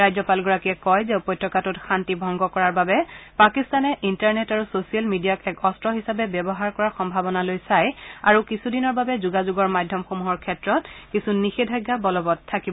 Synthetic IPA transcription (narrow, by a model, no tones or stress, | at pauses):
ajzɔpalɡɔɹakiɛkɔjzɛpɔjtɹɔkatutxantibʱɔŋɡɔkɔɹaɹbabɛpakistanɛʔintaɹnɛtaɹusosialmidijakɛkɔstɹɔɦisapɛbɛbɔɦaɹkɔɹaɹxɔmbʱabɔnalojsaja̰ɹukisudinɔɹbabɛzuɡazuɡɔɹmadʱjɔmxomuɦɔɹkʰɛtɹɔtkisunixedʱajɡːabɔlɔbɔtʰːakibɔ